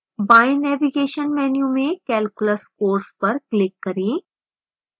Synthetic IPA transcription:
baːinɛːʋiɡeːʃənmɛːnjumẽkɛːlkʊləskoːɾspɐɾklɪkːɐɾẽː

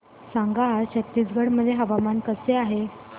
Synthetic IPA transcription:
saŋɡaɦaɾɕək̚t̪id͡zɡʱəɽməd̪ʱːjeɦəʋamankəseaɦe

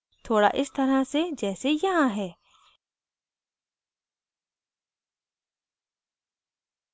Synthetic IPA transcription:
t̪ʰoːɽa̰ʔɪst̪ɐɾased͡ʒɛːsejɐɦãɦɛː

